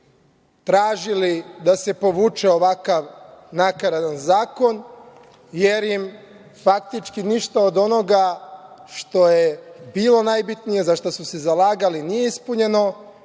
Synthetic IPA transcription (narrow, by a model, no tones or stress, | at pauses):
t̪ɾaːʒilid̪ase̞po̞ʋuːt͡ʃeoʋakaʋnakaɾad̪anzaːko̞n | je̞ɾjim | fak̚t̪it͡ʃkiniʃt̪aod̪o̞no̞ɡaʃt̪o̞jebiːlˠo̞najbit̪nije̞zaʃt̪osusezalˠaːɡalinije̞ispuɲe̞no̞